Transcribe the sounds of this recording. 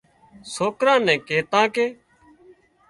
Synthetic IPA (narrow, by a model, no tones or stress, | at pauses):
soːkɾãːnɛ̃ːkeːt̪ãːkeː